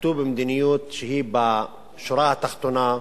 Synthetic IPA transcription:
t̪ubimd̪inɪjuːt̪ʃhiːba | ʃʊɾˤɑːt̪axt̪una

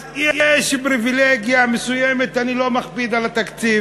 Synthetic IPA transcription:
jejɛʃpɾivileɡjamesujemet̪anilo̞maχpid̪alat̪akt͡siv

